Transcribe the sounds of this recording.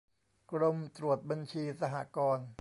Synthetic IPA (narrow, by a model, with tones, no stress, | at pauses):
kɾo˧mt̪ɾu˨˩ət̪̚ba˧nt͡ɕʰiː˧sa˧ɦa̰ː˨˩kɔː˧n